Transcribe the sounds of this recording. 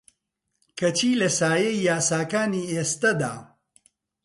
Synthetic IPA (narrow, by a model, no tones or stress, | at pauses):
kɐt͡ʃiːlɐsaːjejjaːsaːkaːniːeːst̪ɐd̪a̰ː